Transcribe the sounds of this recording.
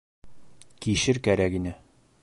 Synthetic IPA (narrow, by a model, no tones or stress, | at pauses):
kiɕɘɾkæɾækinɘ